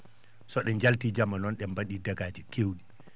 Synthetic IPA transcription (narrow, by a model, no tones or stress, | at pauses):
sɔɗɛɲd͡ʒaltiːd͡ʒamanɔnɗɛmbaɗiːdaɡaːd͡ʒikʰewɗi